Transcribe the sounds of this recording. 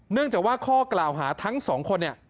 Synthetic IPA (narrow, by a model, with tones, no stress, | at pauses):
nɯ˥˩əŋt͡ɕaː˨˩kwaː˥˩kʰɔː˥˩klaː˨˩wɦaː˩˦t̪ʰa˦˥ŋsɔː˩˦ŋkʰo˧nːi˧˥˩